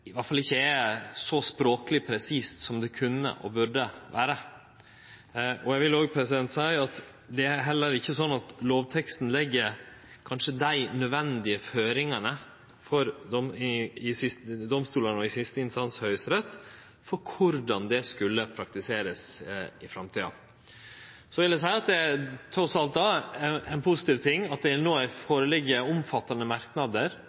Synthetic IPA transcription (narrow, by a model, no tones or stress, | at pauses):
ɪʋɑʈfɑlɪçːəɛsɔspɾoːkəlɪpʰɾɛsiːst̪sɔmd̪ɛkʰʉnːə̰ʔɔ̰bʉɖəʋæ̰ːɾə | ʔɔjæʋɪloːɡ̚pʰɾɛsɪd̪ɛnt̪sæɪɑt̪ | d̪ɛæɾɦɛlːəɾɪçːəsɔnːɑt̪loːʋt̪ʰɛkst̪n̩lɛɡːəɾkʰɑnʂəd̪æɪnœd̪ʋɛnd̪ɪəføːɾɪŋɑnə | fɔɾd̪ɔmɪɪsɪst̪d̪ɔmst̪uːlənɔɪsɪst̪əɪnst̪ɑnshœʏsɾɛt̪ː | fɔkʰʊɾɖ̪ɑnd̪ɛskʉlːəpʰɾɑk̚t̪ɪseːɾəsɪfɾɑmt̪ʰiːɑ̰ | sɔʋɪld̪ɛsæɪɑt̪̚d̪ɛæt̪ʰɾɔsɑlt̪̚d̪ɑːɛɪnpʰʊsɪt̪iːʋt̪ʰɪŋːɑt̪̚d̪ɛnoːæɪfoːɾəlɪɡːəʊmfɑt̪ːɑnəmɑɾknɑd̪əɾ